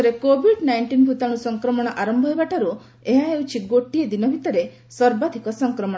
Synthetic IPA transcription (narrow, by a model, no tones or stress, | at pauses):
ɾekobʱiɖnajɳʈinbʱut̪aɽ̃usɔŋkɾɔmɔɽ̃ɔʔaɾɔmbʱɔebaʈaɾu | eɦaewt͡ʃʰiɡoʈied̪inɔbʱit̪ɔɾe | sɔɾbad̪ʱikɔsɔŋkɾɔmɔ̃